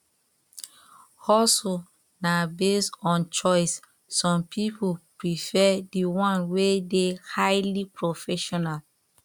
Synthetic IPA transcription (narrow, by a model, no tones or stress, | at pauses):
ɔlso | nabestɔ̃nt͡ʃɔɪsː | ɔ̃mpʰipupɹifɛdiwɔ̃nwedehaɪlipɹofɛʃɔnal